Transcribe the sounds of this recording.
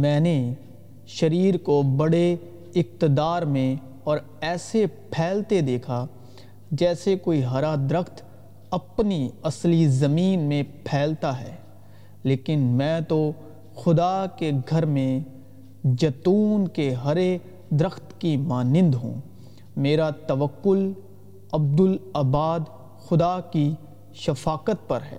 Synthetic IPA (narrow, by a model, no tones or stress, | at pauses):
mɛ̃ːne | ʃɐɾiːɾkobɐɽe | ɪq̚t̪ɪd̪aːɾmẽ | ɔːɾ | ɛːsepʰɛːlt̪ed̪eːkʰa | d͡ʒɛːsekoːiɦɐɾad̪ɾəxt̪ | ɐpniɐslizɐmiːnmẽpʰɛːlt̪aɦɛ̰ː | leːkɪnmɛ̃ːt̪o | xʊd̪akeɡʱɐɾmẽ | d͡ʒɐt̪uːnkeɦɐɾe | d̪ɪɾəxt̪kimaːnɪ̃nd̪ɦṵ̃ː | meːɾat̪ɐʋəkːʊl | ɐb̚d̪ʊlɐbaːd̪ | xʊd̪aki | ʃɐfaːqət̪̚pɐɾɦɛ̰ː